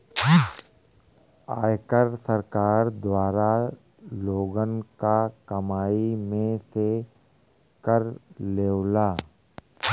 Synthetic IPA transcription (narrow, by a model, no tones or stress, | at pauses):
aːjkəɾsəɾkaːɾd̪waːɾa | loːɡənkakɐmaːimẽse | kəɾleːwlaː